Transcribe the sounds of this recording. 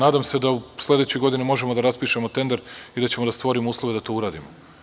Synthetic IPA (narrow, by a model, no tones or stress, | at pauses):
naːd̪amse̞d̪auslʲˠe̞d̪et͡ɕojɡo̞d̪inimo̞ʒemod̪aɾaspiːʃe̞mo̞t̪e̞nd̪ɾid̪at͡ɕe̞mod̪ast̪ʋo̞ɾimouːslˠo̞ʋe̞d̪at̪o̞uɾaːd̪imo